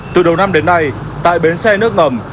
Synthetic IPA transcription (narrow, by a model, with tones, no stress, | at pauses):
t̪ɨ˨˩ɗə˨˩wna˧mɗe˨˦nːa˧j | t̪a̰ː˧˨jɓe˨˦nsɛ˧nɨ˦˥ək̚ŋə˨˩m